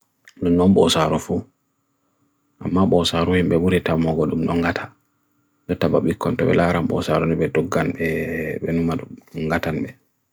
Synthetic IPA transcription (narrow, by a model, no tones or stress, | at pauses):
ɗumnɔmɓɔsaɾɔfu | ʔamːaɓɔsaɾɔhimɓɛbuɾɛtamɔɡɔɗumnɔŋɡatʰḁ | nɔtaba̰ɓikːɔntɔɓɛ̰laːɾamɓɔ̰saɾɔniɓɛdɔɡːanɓɛɓɛnumaɗŋɡatanɓɛ